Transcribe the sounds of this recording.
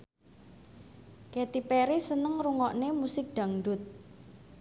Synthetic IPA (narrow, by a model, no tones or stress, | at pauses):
ket̪ipeɾisənəŋruŋɔʔnemusɪk̚d̪̥ä̤ŋɖʊ̤t̪̚